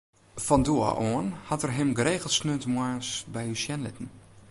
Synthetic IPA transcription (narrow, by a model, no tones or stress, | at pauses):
fɔnduə̰ʔoənhɔtərɦɪmɡəreːɣəl̩ˠsnøəntmwaːnsbɛjysjɛnlɪtən̩